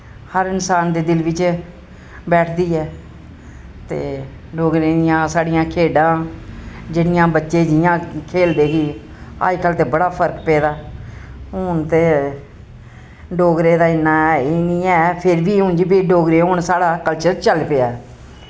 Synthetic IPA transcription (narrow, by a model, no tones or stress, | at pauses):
həɾɪnsaːnd̪eːd̪ɪlʋɪt͡ʃ | bɛːʈʰd̪iːɛː | t̪ḛː | ɖoːɡɾeːd̪ɪjãːsaːɽijãːkʰeːɖãː | d͡ʒeɽɪjãːbətːʃeːd͡ʒɪjãːkʰeːld̪eːɦiː | a̰ːd͡ʒkəlt̪eːbəɽaːpʰəɾkpɛːd̪aː | ɦʊnt̪eː | ɖoːɡɾeːd̪aːɪnːaːɛeːnĩːɛːpʰɪɾbiːɦʊ̃ːnd͡ʒiːbiːɖoːɡɾeːɦʊɳsaːɽaːkəlt͡ʃəɾt͡ʃəlpeːaː